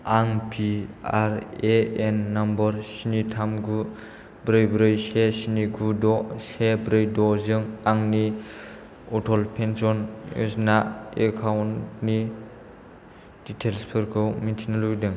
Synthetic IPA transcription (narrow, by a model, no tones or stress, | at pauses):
aŋpʰiaɾeenːambɔɾsinitʰamɡu | bɾɯjbɾɯjsesiniɡʰudɔsebɾɯjdɔzɯŋaŋni | ɔtʰɔlpʰensɔnṵsnaekʰawntni | d̥itʰelspʰɯɾkʰɯwmintʰinalujdɯŋ